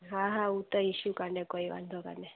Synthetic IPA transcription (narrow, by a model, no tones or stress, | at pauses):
ɦãɦãut̪əiʃukaɳɖekoiʋa̰nd̪ʱoka̰ɳɖe